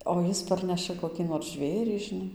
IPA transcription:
oː ˈjɪs ˈpɐrʲnʲɛʃɐ koːˈkʲiː noːr ˈʒʲʋʲeːrʲiː ʒʲɪˈnɐɪ

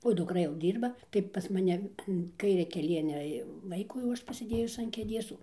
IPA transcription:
oː dʊkˈrɐ jɛʊ ˈdʲiːrbɐ tɐɪ pɐs mɐˈnʲɛ ɐn ˈkɐɪrʲɛ kʲɛˈlʲiɛnʲɛ jɛʊ ˈʋɐɪkuː jɛʊ ˈɐʃ pɐsʲɪˈdʲeːjʊs ɐn kʲeːˈdʲeːs

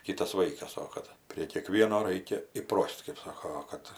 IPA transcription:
ˈkʲiːtɐs ˈʋɐɪkɐs ˈoː kɐt pʲrʲiɛ kʲiɛˈkʋʲiɛnoː ˈrɐɪkʲɛ ɪˈproːsʲtʲ kɜp ˈsoːkoː ˈoː kɐt

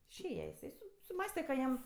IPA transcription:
ɪʃʲˈeːjɛ jɪˈsɐɪ sʊ sʊˈmɑːsʲtʲɛ kɐ ˈjɛm

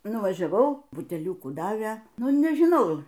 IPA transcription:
nʊʋɐʒʲɛˈʋɐʊ bʊtʲɛˈlʲʊkuː ˈdɑːʋʲeː ˈnʊ nʲɛʒʲɪˈnɐʊ

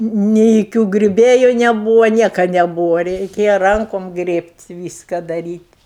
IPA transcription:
nʲɪ joːˈkʲuː ɡrʲʊˈbʲeːjʊ nʲɛˈbuːʋɐ ˈnʲiɛkɐ nʲɛˈbuːʋɐ rʲɛɪˈkʲeːjɛ ˈrɐŋkoːm ˈɡrʲeːpʲtʲ ˈʋʲiːskɐ dɐˈrʲiːtʲ

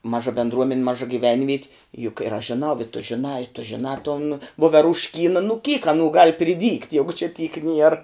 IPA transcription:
ˈmɑːʒɐ bʲɛndˈruɔmʲɛnʲ ˈmɑːʒɐ ɡʲiːˈʋʲɛnʲʋʲiɛtʲ jʊk ɪr ɐʃ ʒʲɪˈnɐʊ ɪ tʊ ʒʲɪˈnɑː ɪ tʊ ʒʲɪˈnɑː toːn ʋoːʋʲɛrʊʃʲˈkʲiːnɐ nʊ kʲiːk ɐˈnuː ɡɐlˠ pʲrʲɪˈdʲiːktʲ ˈjæːɡʊ t͡ʃʲɪ tʲiːk nʲiɛr

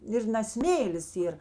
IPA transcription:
ˈɪr nɐ ˈsʲmʲeːlʲɪs ˈiːr

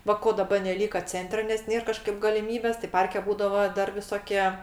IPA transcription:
ˈʋɐ ˈkoː dɐˈbɐ nʲɛˈlʲiːkɐ ˈt͡sʲɛnʲtʲrʲɛ nʲɛs ˈnʲeːr ˈkɑːʃkɐɪp ɡɐlʲɪˈmʲiːbʲeːs tɐɪ ˈpɐrʲkʲɛ ˈbuːdɐʋoː ˈdɐr ʋʲɪˈsoːkʲiɛ

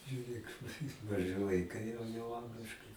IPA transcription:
ʒʲʊˈrʲeːk mɐˈʒɨ ʋɐɪˈkɐɪ jɛʊ jɛʊ ˈɐŋɡlʲɪʃkɐɪ

